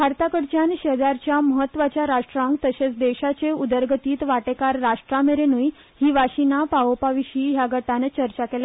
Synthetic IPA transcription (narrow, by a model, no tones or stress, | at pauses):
bʱaɾt̪akəɽt͡ɕjanɕed̪aɾt͡ɕjaməɦət̪ːʋat͡ɕjaɾaʂʈɾãŋkt̪əɕet͡sd̪eɕat͡seud̪əɾɡət̪iːt̪ʋaʈekaɾːaʂʈɾameɾenuj | hiːʋaɕinapaʋopaʋiɕiːɦjaɡʱəʈanet͡ɕəɾt͡ɕakela